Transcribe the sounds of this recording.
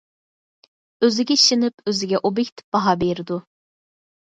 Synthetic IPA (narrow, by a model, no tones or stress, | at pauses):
øzɪɡʲɛiʃɪnɪpøzɪɡʲɛʔobekʲt̪ʰɪ̥p̚b̥ɑɦɑbeɾɪd̪u